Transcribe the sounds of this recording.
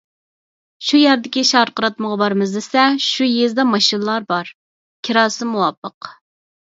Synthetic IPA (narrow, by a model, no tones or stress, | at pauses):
ʃujæɾd̪ɪkʲiʃɑɾqəɾɑt̪məʁɑbɑɾmɨzd̪ɪsɛʃujezd̪ɛmɑʃinɨlˠɑɾbɑɾ | kʲʰiɾɑːsɨmuwɑpʰːəq